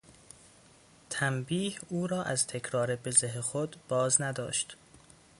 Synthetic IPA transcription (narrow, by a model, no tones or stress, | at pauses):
t̪ʰæmbiːhuːɾɒːʔæzt̪ʰe̞cʰɾɒːɾebezeɦexod̪b̥ɒːznæd̪ɒ̰ːʃt̪